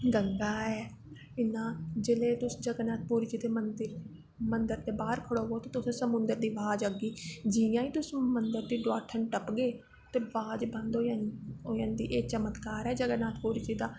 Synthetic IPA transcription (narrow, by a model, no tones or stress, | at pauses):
ɡəŋɡaːɛː | ɪnãːd͡ʒeleːt̪ʊsd͡ʒəɡnaːt̪̚ʰpuːɾiːt͡ʃiːd̪eːmənd̪ɾ | mənd̪əɾt̪eːbaːɾkʰəɽoːɡoːt̪ẽːt̪ʊsẽsəmʊ̃nd̪əɾd̪iːʋaːd͡ʒəɡiːd͡ʒɪjãːiːt̪ʊsmənd̪əɾd̪iːɖwaːʈʰənʈəpɡeː | t̪eːʋaːd͡ʒbənd̪ooːjãːnd̪iːʔeːt͡ʃəmət̪kaːɾɛːd͡ʒəɡənaːt̪puːɾiːt͡ʃiːd̪aː